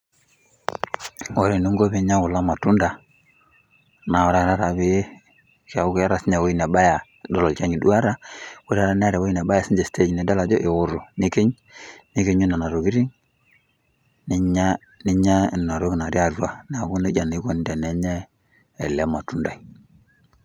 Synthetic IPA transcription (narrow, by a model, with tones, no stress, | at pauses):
wo˦ɾe˨nu˦ŋɡo˦βe˦ɲa˦ʊ˨la˦ma˨tu˦nda˨ | na˨ɔ˨ɾa˨ɾa˦ɾa˨βɪ˦ | ka˨˦ʊ˦ka˦ɾa˨sɲa˨wo˦i˦nɛ˨ba˦ja˨ | dɔ˦lɔ˨t͡ʃa˦ɲi˨du˦a˦ɾa˦wo˦ɾa˦ɾa˦n˦a˦ɾɛ˨wo˦i˦nɛ˨ba˦a˨si˦ɲd͡ʒe˨ste˦d͡ʒne˨da˦la˨d͡ʒɔ˦ʔɪ˨ɣʊ˦ɾo˨nɪ˦ke˦ɲ | nɪ˦ke˦ɲu˦na˨na˨ɾo˨ɡi˦ɾi˦ŋ | nɪ˦ɲa˦ | nɪ˦ɲa˦˨n˨na˨ɾo˦kna˨ɾi˦a˨rwa˨na˨ku˦ne˦d͡ʒa˨ni˦ko˦n˦dɛ˨nɛ˦ɲɛ˦ | ɛ˨lɛ˦ma˨tu˦nda˨i˨